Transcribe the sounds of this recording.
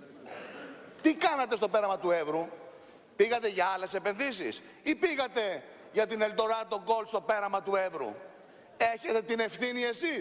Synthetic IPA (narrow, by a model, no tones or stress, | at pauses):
t̪ikɐnɐt̪e̞st̪o̞pe̞ɾɐmɐt̪uevɾu | piɣɐt̪eʝɐɐle̞se̞pe̞nðisḭs | ipiɣɐt̪e̞ | ʝɐt̪inelt̪o̞ɾɐt̪o̞ɡo̞lst̪o̞pe̞ɾɐmɐt̪ue̞vɾṵ | e̞çe̞t̪et̪ine̞fθinie̞sis